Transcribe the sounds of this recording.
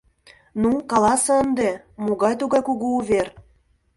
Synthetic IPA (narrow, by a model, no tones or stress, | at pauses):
nukɑlɑsɤənd̪e | muɣɑjt̪uɣɑjkuɣuːβʲer